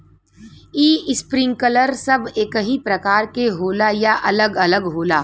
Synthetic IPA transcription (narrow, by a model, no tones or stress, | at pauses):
iːɪspɾɪ̃ŋɡ̚kələɾsɐbeːkəɦĩpɾɐkaːɾkeɦoːlajaʔɐləɡɐləɡɦoːlaː